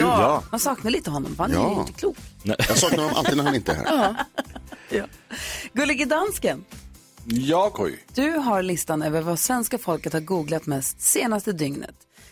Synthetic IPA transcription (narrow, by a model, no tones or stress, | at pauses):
jɑansɑːknad̪liːt̪əɦɔnːɔ̰mfhanɛɪɪt̪ːəkʰluːkjɑsɑːk̚naɾhɔnːɔmʔa̰iːd̪ɾhanɪnt̪əhæ̰ɾ | jɑːɡɵlːɪɡəd̪anskən | jɑːkʰɔ̰jd̪̥ɵɦaɾɭɪst̪anøːvəɾvasvɛnskafɔlkət̪haɾɡuːɡlat̪mɛst̪seːnast̪əd̪ʏŋnə̰t̪